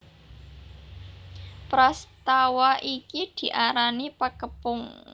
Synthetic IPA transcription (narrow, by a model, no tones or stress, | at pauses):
pɾast̪awaʔikid̪̥i̤ʔaɾanipəkəpʊŋ